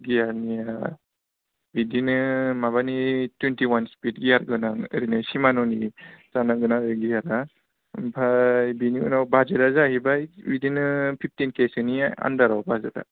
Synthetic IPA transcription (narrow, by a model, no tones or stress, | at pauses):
ɡijaɾnija | bidinɯmaβanitwentiwanspit̚ɡijaɾɡɯnaŋɯɾinɯsimanɔnizanaɡɯnaɾiɡijaɾa | bʱajbiniṵnawbazadazaɦibajbidinɯpʰip̚ʰtinkesɯniaa̰ndaɾawbazada̰